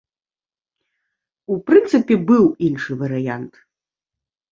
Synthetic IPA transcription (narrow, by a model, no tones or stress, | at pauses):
upɾɨnt̪sɨpʲɛbɨwinʂɨvɐɾɨjant̪